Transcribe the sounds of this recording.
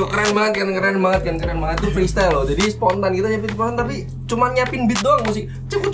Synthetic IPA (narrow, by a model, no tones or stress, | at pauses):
akəɾanbaŋət̪̚kankəɾanbaŋət̪̚kankəɾanbaŋət̪̚t̪ufɾist̪alod͡ʒadisə̥pɔnt̪ankit̪aɲapit̪upaat̪t̪api | t͡ʃumanɲapɪŋbɪt̪̚doaŋmusɪk̚ | t͡ʃəpu